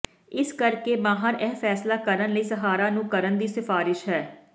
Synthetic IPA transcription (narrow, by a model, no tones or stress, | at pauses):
ɪskəɾkeːmaːɦaːɾɛːpʰɛːslaːkəɾənləiːsəɦaːɾaːnũːkəɾənd̪iːsɪfaːɾɪʃɦɛː